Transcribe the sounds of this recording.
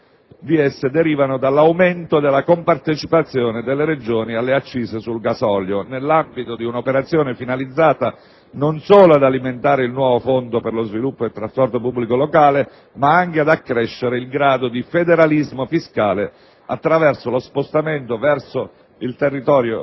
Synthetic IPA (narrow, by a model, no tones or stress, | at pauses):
d̪iesːed̪eɾiːvanod̪alːawment̪od̪elːakompart̪et͡ʃipat̪sːjoːned̪elːeɾed͡ʒoːnialːeat͡ʃːiːsesulɡasɔljonelːambit̪od̪iunopeɾat̪sːjoːnefinalid̪zːaːt̪a | nonsoːload̪aliment̪aːɾeilnwɔːvofond̪operlozvilupːoet̪ːɾaspɔrt̪opubːlikolokaːle | maaŋkead̪akːɾɛʃːeɾeilɡɾaːd̪od̪ifed̪eɾalizmofiskaːle | a̰t̪ːɾavɛrsolospost̪ament̪ovɛrso | ilt̪erːit̪ɔːɾjo̰